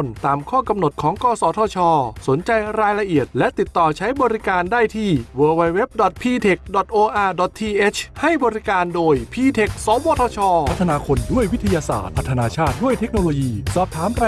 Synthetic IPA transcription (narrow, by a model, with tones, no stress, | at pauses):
nt̪aː˧mkʰɔː˥˩ka˧mno˨˩t̪̚kʰɔː˩˦ŋkɔː˧sɔː˨˦t̪ʰɔː˧t͡ɕʰɔː˧so˩˦nt͡ɕa˧jɾaː˧jla˧ʔi˨˩ət̪̚lɛ˦˥ʔt̪i˨˩t̪ːɔː˨˩t͡ɕʰa˦˥jbɔː˧ɾi˦˥kaː˧ndaː˥˩jt̪ʰiː˥˩wɤː˧wa˧jwe˦˥p̚dɔ˨˩t̪̚pʰiː˧t̪ʰe˨˩k̚dɔ˨˩t̪̚ʔoː˧ʔaː˧dɔ˨˩t̪̚ʰːiː˧ʔe˦˥t͡ɕʰha˥˩jbɔː˧ɾi˦˥kaː˧ndoː˧jpʰiː˧t̪ʰe˨˩k̚soː˨˦mwɔː˧t̪ʰɔː˧t͡ɕʰɔː˧˦t̪ʰːa˧naː˧kʰo˧ndu˥˩əjwi˦˥t̪ʰa˧jaː˧sa̰ː˨˩t̪̚ʰa˦˥t̪ʰːa˧naː˧t͡ɕʰaː˥˩t̪̚du˥˩əjt̪ʰe˦˥k̚noː˧loː˧jiː˧sɔː˨˩p̚t̪ʰaː˨˩˦mɾa˧